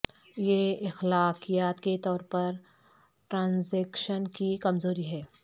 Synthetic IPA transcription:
jeɪxlaːqijaːt̪ket̪ɔːɾpɐɾ | ʈɾãːnzɛːkʃənkikɐmzoːɾiɦɛː

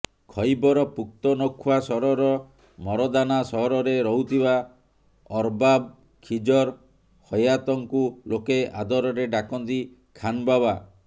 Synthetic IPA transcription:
kʰɔjbɔɾɔpuk̚t̪ɔnɔkʰːwasɔɾɔɾɔ | mɔɾɔd̪anasɔɦɔɾɔɾeɾɔɦut̪ʰiba | ɔɾbab̚ | kʰid͡ʒɔɾ | hɔjat̪ɔŋkulokead̪ɔɾɔɾeɖakɔnt̪i | kʰanbaba

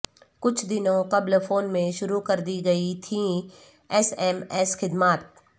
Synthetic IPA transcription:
kʊt͡ʃʰd̪ɪnõqɐblfoːnmẽʃʊɾukɐɾd̪iɡɐit̪ʰĩ | ɛsɛmɛːsxɪd̪maːt̪̚

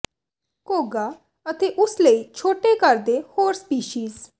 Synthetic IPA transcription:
koːɡa | ət̪ʰeʔʊsləit͡ʃʰoːʈekəɾd̪ehoːɾspiːʃiːz

